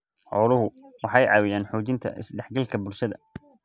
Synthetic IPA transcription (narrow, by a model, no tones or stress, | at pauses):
ħɔːlʊɦʊwɑħɑjʕɑ̰ːwɪjaːnħɔːt͡ʃɪnt̪ʰɐ̰ʔɪ̰sɖɛħɡɐlkʰɐbʊlʃɐðɐ̰